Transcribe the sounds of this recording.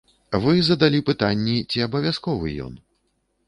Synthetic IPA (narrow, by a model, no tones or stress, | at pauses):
vɨzɐd̪alʲipɨt̪anʲːit͡sʲiɐbɐvʲaskɔvɨ̰jɔ̰n